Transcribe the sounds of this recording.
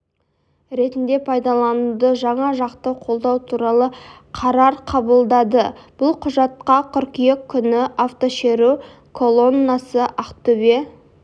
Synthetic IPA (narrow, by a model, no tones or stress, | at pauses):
ɾe̞t̪ɪnd̪e̞pʰɑjd̪ɑlˠɑnud̪əʒɑɴɑʒɑqt̪əqʰo̞lˠd̪ɑwt̪ʰuɾɑlˠə | qʰɑɾɑɾqʰɑbəlˠd̪ɑd̪əb̥ʊlˠqʰʊʒɑt̪̚qɑqʲʰʏɾkʲijekʲʰːʏnɪʔaft̪o̞ʃeɾu | kʰo̞lˠo̞nːasəʔɑqt̪ɵbe̞